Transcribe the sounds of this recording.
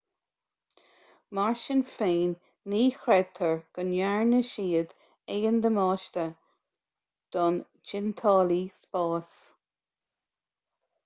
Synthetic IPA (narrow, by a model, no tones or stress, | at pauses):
maɹʃənfeːnː | iːxɾɛd̚t̪ʰəɹɡ̥ənjaɹnəʃiːəd̪ | ɛɡənd̪əmɑːʃt̪ə | d̪̥ɔn | d͡ʒɪnt̪ʰɑːlispɑːs